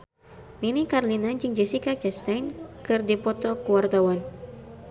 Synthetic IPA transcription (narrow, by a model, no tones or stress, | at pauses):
ninikarlinad͡ʒɨŋd͡ʒɛsikat͡ʃast̪ajnkɨrdipɔt̪ɔkuwart̪awan